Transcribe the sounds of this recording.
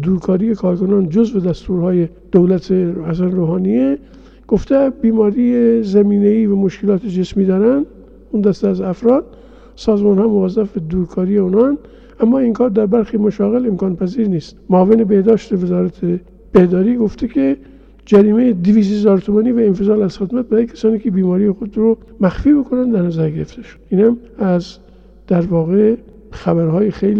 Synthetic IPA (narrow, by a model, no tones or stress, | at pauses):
d̪uːɾkʰɒːɾiːjekʰɒːɾkʰonɑːnd͡ʒozved̪æst̪uːɾhɑːje | d̪̥owlæt̪ʰehæs̬ænɾoːhɑːnije | ɡ̥oft̪ebiːmɒːɾiːezæmiːneiːvæmoʃkelɒːt̪ʰed͡ʒesmiːd̪ɒːɾænd̪ | und̪æst̪eːzæfɾɒːd̪̥ | sɒːzmɑːnhɒːmovæzːæfbed̪uːɾkʰɒːɾijeunɑnd̪ | ʔæmːɒːiŋkʰɒːɾd̪æɾbæɾxiːmoʃɑːɣelemkɑːnpæziːɾniːst̪moːvenebehd̪ɒːʃt̪evezɒːɾæt̪ʰe | b̥ehd̪ɒːɾiːɡoft̪ʰekʰe | d͡ʒæɾiːmejed̪iviːs̬hezɒːɾt̪ʰumɑniːvæenfezɑːlæz̥xed̪mæt̪̚bæɾɑːjekʲʰæ̥sɑːniːkʰebiːmɒːɾijexod̪ɾo | mæxfiːbokʰonænd̪d̪æɾnæzæɾɡeɾeft̪eʃo̥d̪iːnhæmæz | d̪̥æɾvɒːɣe | xæβæɾhɒːjexejli